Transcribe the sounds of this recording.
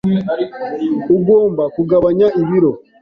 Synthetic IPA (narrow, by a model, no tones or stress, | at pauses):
uɡo̞ːmbakuɡaβaɲaiβiɾo